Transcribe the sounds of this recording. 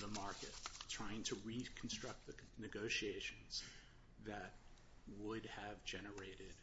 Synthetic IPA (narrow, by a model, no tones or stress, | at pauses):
ðəmɑɹkɨ̰ttʰɹ̥aɪɪ̃ŋtʰɨɹikʰn̩stɹ̥ʌk̚t̪̚ðɨnɨɡoʊʃieɪʃɨ̃nz̥ | ðɨt̚ | wədɨvd͡ʒɛnə˞eɪɾɪd̥